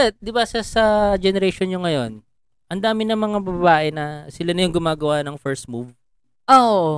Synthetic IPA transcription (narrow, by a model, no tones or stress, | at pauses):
ɛt̪̚d̪ɪbasɐsɐd͡ʒɛnɛɾɛjʃonɲoŋɐjo̞n | ʔɐnd̪aːmɪnɐŋmɐŋabɐbbaːʔɛnɐsɪlanɐjoŋɡʊmaːɡɐwanɐŋfɛɹst̪̚muv | ʔoʔoʔo